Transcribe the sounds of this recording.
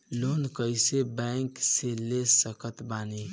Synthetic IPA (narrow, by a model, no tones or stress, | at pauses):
lonkəjsebɛŋkselesəkət̪bani